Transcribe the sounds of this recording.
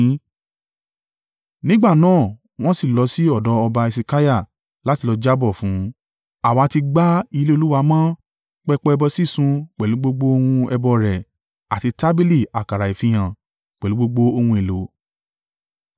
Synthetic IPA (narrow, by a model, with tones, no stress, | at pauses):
nĩ˦ɡ͡ba˦˨nãː˦˨ | w̃ɔ̃˦si˦˨lɔ˨˧si˦ɔ˦˨dɔ˨˦ɔ˧ba˧i˧si˧ka˦ja˦˨ | la˨˦ti˧lɔ˧d͡ʒa˦bɔ˦˨fũ˨˦ | a˦˨wa˨˧ti˧ɡ͡ba˦i˧le˦o˧lu˦wa˧mãː˦ | k͡pɛ˦k͡pɔ˦ɛ˧bɔ˧si˦˨sũ˧k͡pɛ˨lu˨˦ɡ͡bo˦ɡ͡bo˦o˧hũ˧ɛ˧bɔ˧ɾɛ˨ | a˨ti˧ta˦bi˦li˦˨a˨ka˨ɾa˨i˨fĩ˧j̃ã˨ | k͡pɛ˨lu˨˦ɡ͡bo˧ɡ͡bo˦o˧hũ˧e˨lo˨˦